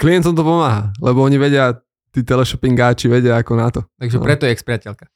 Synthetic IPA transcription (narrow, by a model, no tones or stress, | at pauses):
kliɛnt̪ɔmt̪̬ɔpɔmaːɦaːlɛbɔɔɲiʋɛɟɪa | t̪iːt̪ɛlɛʃɔpiŋɡaːt͡ʃiʋɛɟɪaːkɔnat̪ɔt̪aɡʒɛ̰ɾɛt̪ɔjɛɛkspɾɪacɛlkḁ